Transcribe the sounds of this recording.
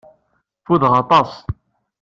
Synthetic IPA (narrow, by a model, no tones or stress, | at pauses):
fuðʁɑt̪ˤɑsˤ